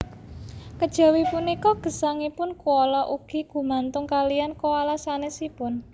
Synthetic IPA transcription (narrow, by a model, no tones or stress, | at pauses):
kəd̥ʒ̥a̤wipunikɔɡ̥ə̤saŋipʊnkuɔlɔʔuɡ̥i̤ɡ̥ṳmant̪ʊŋkalijankoalasanesipʊn